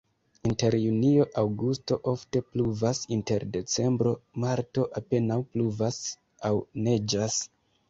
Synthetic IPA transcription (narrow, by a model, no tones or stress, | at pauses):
inte̞ɾjunio̞ʔawɡusto̞ʔo̞fte̞pluvasinte̞ɾde̞t͡se̞mbɾo̞maɾto̞ʔape̞nawpluvas | awne̞d͡ʒas